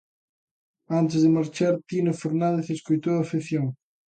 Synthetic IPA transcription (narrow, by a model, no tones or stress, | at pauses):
ant̪ɪzðemaɾt͡ʃaɾt̪inofoɾnãnd̪eθeskojt̪oɐfiθjoŋ